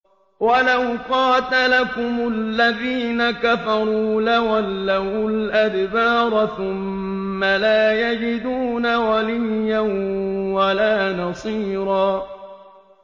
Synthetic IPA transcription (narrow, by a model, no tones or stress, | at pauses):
walawqɑːt̪alakʊmʊlːaðiːnakafɑɾˤuːlawalːahʊlʔad̪baːɾˤɑθʊmː | alaːjad͡ʒɪd̪uːnawalɪjːanwalaːnɑsˤiːɾˤɑː